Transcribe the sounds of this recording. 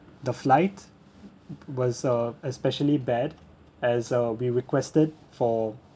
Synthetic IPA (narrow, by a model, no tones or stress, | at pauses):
d̪əflaɪt | wɔzʌɛspɛʃəlibɛd | ɛzʌwiɹikwɛstəd̚ | fɔ